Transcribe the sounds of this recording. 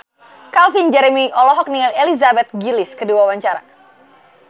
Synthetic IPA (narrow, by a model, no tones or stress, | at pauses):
kalfind͡ʒɛɾɛmiʔɔlɔɦɔk̚niŋalelizabɛt̪̚ɡiliskəduawaɲt͡ʃaɾa̰